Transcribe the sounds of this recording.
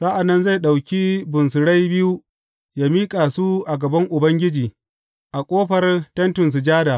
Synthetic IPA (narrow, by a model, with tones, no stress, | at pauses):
sa˦ʔa˨nːɐ˦nza˦˨jɗa˨wkʲi˦bʊ˨ns̬ʊ˨ɽa˦jbɪ˦ju˦ | jaː˦miː˦kʼaː˨su˦ʔa˨ɡɐ˨bɐ˦ŋʔʊ˨bɐ˦ŋɡʲɪ˦d͡ʒiː˨ | ʔa˨kʷʼoː˦ɸɐ˨rtɐ˦ntʊ˨ns̬u˨d͡ʒaː˦daː˨